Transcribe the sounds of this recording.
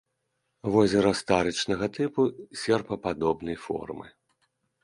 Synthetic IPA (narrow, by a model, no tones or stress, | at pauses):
vɔzʲɛɾɐst̪aɾɨt͡ʂnɐɣɐt̪ɨpusʲɛrpɐpad̪ɔbnɐjfɔ̰rmɨ̰